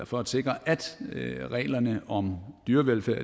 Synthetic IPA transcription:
fɒ̽æd̥se̝ɡ̥ʁɐʔæd̥ʁɛ̰ːlɐnəʔɒ̽md̥yːɐʋelfæɐ̰

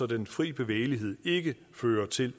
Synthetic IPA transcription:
ɒ̽denfʁḭːb̥e̝ʋḛːɪliɦe̝ð̞̰ˠe̝ɡ̥ə | føːɐt͡sʰe̝l

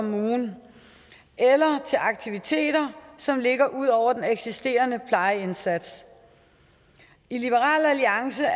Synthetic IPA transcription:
muːn | ʔelɐt͡sʰe̝lʔɑ̈ɡ̥̚t͡sʰiʋit͡sʰe̝̰ːɾ̥ɐsɒ̽mle̝ɡ̥ɐʔuð̞̰ˠɒʊ̰ɐd̥eneɡ̥sisd̥e̝̰ːɐnəpʰlɑ̈ɪe̝nsæd̥s | ilib̥əʁɑ̰̈ːlæliɑ̈ŋsə

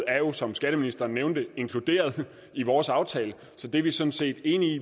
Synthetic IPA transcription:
æɐjo̝sɒ̽msɡ̥æɾ̥əminisd̥ɐːnːeʊnd̥əe̝ŋkʰlud̥e̝̰ːɐð̞ˠ | iʋɒːsɑ̈ʊt͡sʰɛ̰ːlə | sɒ̽d̥e̝ʋisɒ̽nse̝̰ːd̥e̝ːni

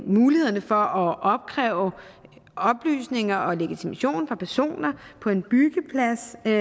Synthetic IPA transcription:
muːlihe̝ðˠɐnəfɒ̽ʔɒ̽ʔɒ̽b̥̚kʰʁɛʊ | ɒ̽b̥ly̰ːsne̝ŋɐʔɒ̽le̝ɡ̥it͡sʰimæɕo̝̰ːnfʁɑ̈pʰæɐso̝̰ːnɐpʰɒ̽e̝nb̥yɡ̥əpʰlæs

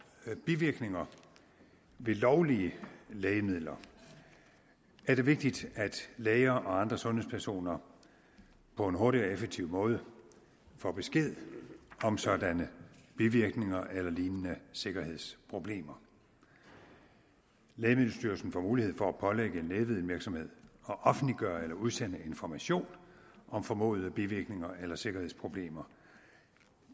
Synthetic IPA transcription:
b̥iʋiɐɡ̥ne̝ŋɐ | ʋe̝lɒʊliəlɛːɪəmið̞̰ˠlɐ | ʔæɐd̥e̝ʋe̝ɡ̥̚d̥id̥æd̥leːɪɐːʔɒ̽ɑ̈nd̥ʁɐsɔ̽nhe̝̰spʰæɐso̝̰ːnɐ | pʰɒ̽e̝nɦo̝ɐɾiɒefeɡ̥̚t͡sʰiʊ̰mɔ̽ːð̞ˠə | fɒb̥e̝sɡ̥e̝ð̰ˠɒ̽msɒ̽d̥ænəb̥iʋiɐɡ̥ne̝ŋɐʔelɐliːnənəse̝ɡ̥ɐhe̝ð̞̰ˠspʰʁo̝b̥le̝̰ːmɐ | leːmel̩ˠsd̥yɐsn̩fɒ̰muːlihe̝ð̞̰ˠfɒ̽æpʰɒ̽leɡ̥əe̝nleːʋið̩ˠʋiɐɡ̥sɒ̽mhe̝ð̞̰ˠɒ̽ʔɒ̽fn̩liɡ̥ɶːɐelɐuð̞ˠsen̰əe̝nfɒmæɕo̝̰ːnʔɒ̽mfɒ̽mɔ̰ːð̞̩ˠəb̥iʋiɐɡ̥ne̝ŋɐʔelɐse̝ɡ̥ɐhe̝ð̰ˠspʰʁo̝b̥le̝̰ːmɐ

